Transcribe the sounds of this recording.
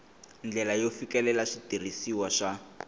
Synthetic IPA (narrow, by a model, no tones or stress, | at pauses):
nd͡ɮɛlajofikɛlɛlaʂitirisiwaʂa